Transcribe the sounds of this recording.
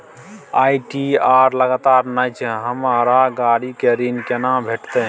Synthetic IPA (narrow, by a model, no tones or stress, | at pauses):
ajʈiaɾləɡat̪aɾnajt͡ʃʰɛ̃ɦəmaɾaɡaɽikeɾinkenabʱeʈt̪ə